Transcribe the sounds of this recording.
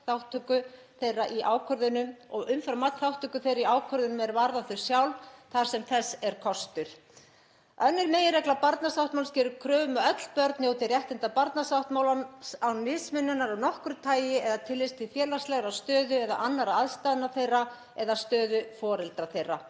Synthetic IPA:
θawht̪ʰʏkʏ | θejraʔiʔaːwkʰœɾðʏnʏmɔɣʏmfɾamat̪θawht̪ʰʏkʏθejɾaiaːwkʰœɾðʏnʏmɛɾvaɾðaθʏɾ̥sjawlθaɾ̥sɛmθɛsːɛɾ̥kʰɔst̪ʏɾ̥ | œnːɪɾmeːjɪɾɛklapaɾt̪nasawht̪mawlscɪːɾʏɾkʰɾœːmaœt̪l̥pœɾt̪njowt̪ɪrjɛht̪ɪnt̪apaɾt̪nasawht̪mawlasawnɪːsmɪnːʏnːaɾawnɔhkɾʏt̪ʰaːjɪɛðat̪ʰɪlvɪst̪ʰɪlfjɛːlast̪lɛɣaɾawst̪œːðʏɛða̰ʔanːaɾaaðst̪ajðnaθejra | ɛðast̪œːðʏfɔːɾɪlt̪ɾaθejrːa

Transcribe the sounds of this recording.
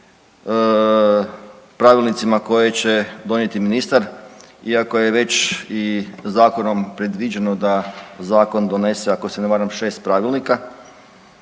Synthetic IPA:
pɾaːʋilnit̪simako̞je̞t͡ɕe̞d̪o̞nje̞t̪iminist̪aɾiako̞je̞ʋe̞t͡ɕizaːko̞no̞mpɾe̞d̪ʋid͡ʑeno̞d̪azaːko̞nd̪o̞ne̞seako̞seneʋaːɾamʃe̞ːst̪̚pɾaːʋilˠnika

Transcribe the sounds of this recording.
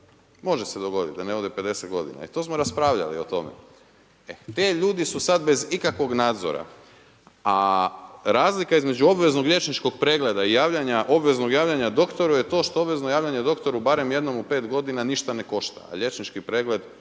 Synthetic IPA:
mo̞ʒesed̪o̞ɡo̞d̪it̪̚d̪aneod̪epe̞d̪e̞set̪ɡo̞d̪ḭna̰ḭt̪o̞ːsmoɾaspɾaːʋʎa̰lḭo̞t̪o̞̰mḛ | et̪eʎuːd̪isusad̪be̞zikakʋo̞ɡnaːd̪zo̰ɾa̰ | a | ɾaːzlikaizme̞d͡ʒuo̞bʋe̞znoɡʎʲe̞t͡ʃnit͡ʃko̞ɡpɾeːɡle̞d̪aijaːʋʎaɲaʔo̞bʋe̞zno̞ɡjaːʋʎaɲad̪o̞kt̪o̞ɾujet̪o̞ːʃt̪oobʋe̞znojaːʋʎʲaɲed̪o̞kt̪o̞ɾubaːɾe̞mje̞d̪no̞mupeːt̪ɡo̞d̪inaniʃt̪ane̞ko̞ʃt̪a̰a̰ʎe̞t͡ʃnit͡ʃkipɾeːɡle̞d̪

